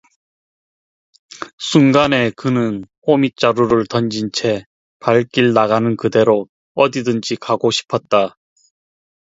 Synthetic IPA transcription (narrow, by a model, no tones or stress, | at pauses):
sʰuŋɡane̞kɯnɯnɸomit͡ɕ͈aɾuɾɯɭtʌnd͡ʑint͡ɕʰe̞ | paɭk͈iɭnaɡanɯnkɯde̞ɾo | ʌdidɯnd͡ʑikaɡoɕʰi̥pʰʌt̚t͈a